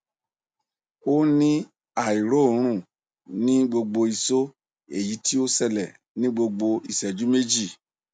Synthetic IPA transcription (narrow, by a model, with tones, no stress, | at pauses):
o˦nĩ˦ | a˨i˨ɾo˦˨˦ɾ̃ũ˦˨ | nĩ˦ɡ͡bo˧ɡ͡bo˧i˨so˦ | e˨ji˨˦ti˦o˦sɛ˧lɛ˨ | nĩ˦ɡ͡bo˧ɡ͡bo˧i˨sɛ˨d͡ʒu˨˦me˦d͡ʒi˦˨